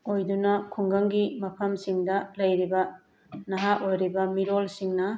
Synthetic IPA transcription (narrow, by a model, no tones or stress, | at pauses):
ojdunɐkʰuŋɡɐŋɡimɐpʰɐmsiŋdɐlɐjɾibɐ | nɐɦaʔojɾibɐmiɾolsiŋnɐ